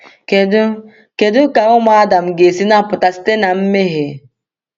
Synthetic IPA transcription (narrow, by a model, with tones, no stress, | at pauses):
ke˨dʊ˦ka˨ʊ˦ma˦a˦da˨m̩˨ɡe˨si˦na˦˨pʊ˨ta˨si̥˦te˦na˨m̩˦me˦ɦe˨